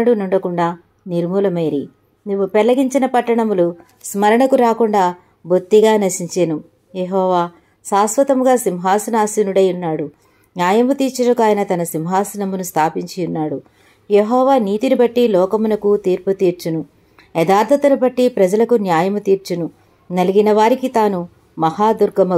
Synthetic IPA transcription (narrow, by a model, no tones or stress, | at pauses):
ɐɽunuɳɖɐkuɳɖaː | niɾmuːlɐmɐjɐɾi | niʋːupɛɭːɐɡiɲt͡ʃinɐpɐʈːɐɳɐmulu | smɐɾɐɳɐkuɾaːkuɳɖaː | bot̪ːiɡaːnɐʃiɲt͡ʃeːnu | jeɦɔːʋaː | saːsʋɐt̪ɐmuɡaːsimɦaːsunaːsinuɽɐjunːaːɽu | njaːjɐmut̪iːɾt͡ʃɐnɐkuaːjɐnɐt̪ɐnɐsimɦaːsɐnɐmunust̪ʰaːpiɲt͡ʃijunːaːɽu | jeɦɔːʋaːniːt̪inibɐʈːilɔːkɐmunɐkut̪iːɾput̪iːɾt͡ʃunu | ɛd̪aːɾd̪ʰʱɐt̪ɐlubɐʈːipɾɐd͡ʒɐlɐkunjaːjɐmut̪iːɾt͡ʃunu | nɐliɡinɐʋaːɾikit̪aːnu | mɐhaːd̪uɾɡɐmɐ